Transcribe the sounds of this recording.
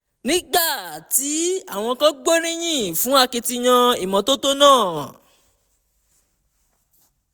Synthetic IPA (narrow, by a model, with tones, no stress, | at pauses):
nĩ˦ɡ͡ba˦˨ti˨˦a˦˨w̃ɔ̃˧kã˦ɡ͡bo˦ɾ̃ĩ˦j̃ĩ˦˨fũ˨˦a˦˧ke˧ti˧ɲ̃ã˧i˦˨mɔ̃˨˦to˦to˦nãː˦˨